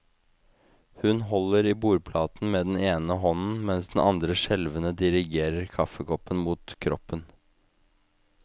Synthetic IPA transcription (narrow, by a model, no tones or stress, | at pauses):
hʉnɦɔləɾiːbuːɾpʰlɑːt̪n̩meːd̪ɛn̩eːnəɦɔnn̩mɛnsd̪n̩ʔɑnd̪ɾəʃɛlʋənəd̪ɪɾɪɡeːɾəɾkʰɑfəkʰɔpːənmuːt̪kʰɾɔpːən